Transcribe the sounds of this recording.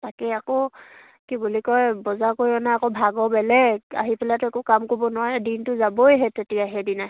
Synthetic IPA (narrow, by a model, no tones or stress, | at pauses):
takɛakɔ | kibulikɔjbɔzakoɹiɔnaakɔbʱaɡɔbɛlɛɡa̰ɦipɛlatʊɛkukamkoɹbɔnʊwaɹɛdintʊzabojɦɛtetiaɦɛdinaɦ